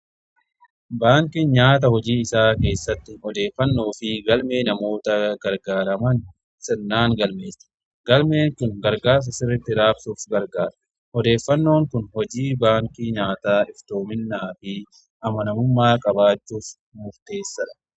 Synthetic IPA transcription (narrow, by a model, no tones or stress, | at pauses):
baːŋkinɲaːt̪̬ɐhɔd͡ʒiːɪsaːke̞ːsːɐt̪ːɪɔd̪e̞ːfːɐnːoːfɪɡɐlme̞ːnɐmo̞ːt̪ɐɡɐɾɡaːɾɐmɐn | sɛnːaːŋɡɐlme̞ːsɐ̥ | ɡɐlme̞ːŋkʊŋɡɐɾɡaːɾs̬ɐsɪrːɪt̪ːɪɾaːbsuːfɡɐɾɡaːɾɐ̥ | hɔd̪e̞ːfːɐnːo̞ːŋkʊnhɔd͡ʒiːbaːŋkiɲaːt̪aːɪft̪oːmɪnːaːfɪ | ʔɐmɐnɐmʊmːaːkʼɐbaːt͡ʃːuːf | mʊft̪e̞ːsːɐᶑɐ̥